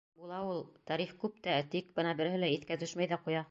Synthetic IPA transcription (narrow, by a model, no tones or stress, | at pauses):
bulˠɑulˠt̪ɑɾiχkʉp̚t̪æt̪ikbɤ̆nɑbɘ̆ɾhɘ̆læɘ̆t̪kæt̪ɵʃmæjðæqujɑ